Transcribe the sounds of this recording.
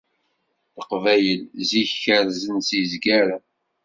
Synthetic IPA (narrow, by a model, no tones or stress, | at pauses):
θəqvæjəlziçəɾzənsizɡæɾa